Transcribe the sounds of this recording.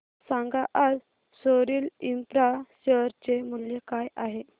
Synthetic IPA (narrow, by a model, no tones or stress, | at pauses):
saŋɡaʔad͡z | soɾiːlimpɾaɕəɾt͡ɕemuljekajaɦe